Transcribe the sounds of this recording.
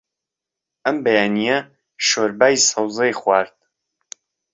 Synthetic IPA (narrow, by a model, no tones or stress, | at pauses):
ʔɐmbɐjaːnijɐ | ʃoːɾbaːjsɐwzˤejxwaːɾd̪̥̚